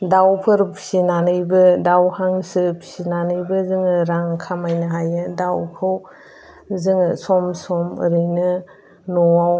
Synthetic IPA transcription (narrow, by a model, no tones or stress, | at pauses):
dawpʰɯɾpʰi̥sinanɯjbɯdawhaŋsɯpʰi̥sinanɯjbɯzɯŋɯɾaŋkʰamajnɯɦajɯdawkʰɯw | zɯŋɯsɔmsɔmɯ̰ɾɯjnɯ | nɔwaw